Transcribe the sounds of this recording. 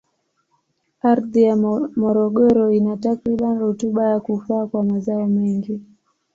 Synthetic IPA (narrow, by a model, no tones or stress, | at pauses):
aɾðijamɔɾɔɠɔɾɔinatakɾiɓaniɾutuɓajakufaːkwamazaɔmɛŋɡi